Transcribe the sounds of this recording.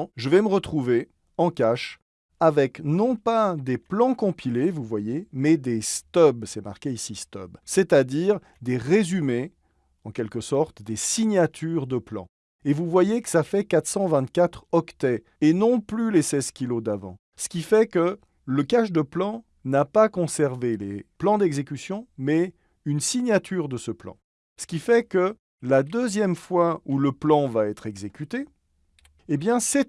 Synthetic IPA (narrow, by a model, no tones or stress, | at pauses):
ʒəvɛməʁət̪χuve | ɑ̃kaʃ | avɛknɔ̃pad̪eplɑ̃kɔ̃pʰilevuvwajemɛd̪est̪œbsɛma̰ʁkʲeisist̪œ̰bsɛt̪ad̪iʁ | d̪eʁezyme | ɑ̃kʲɛlkəsɔʁt̪d̪esiɲjat̪ʰyʁd̪əplɑ̰̃ | evuvwajekə̥safɛkat̪χsɑ̃vɛ̃t̪kat̪χɔkt̪ɛ | enɔ̃plylesɛzkʲilod̪avɑ̰̃ | sə̥kʲifɛkə | ləkaʃd̪əplɑ̃ | napakɔ̃sɛʁvelḛplɑ̃d̪ɛɡzekʲysjɔ̃mɛ | ynsiɲjat̪yːʁd̪əsəplɑ̰̃ | sə̥kʲifɛkə | lad̪øzjɛmfwauləplɑ̃vaɛt̪χɛɡzekʲyt̪e | ebjɛ̃sɛt̪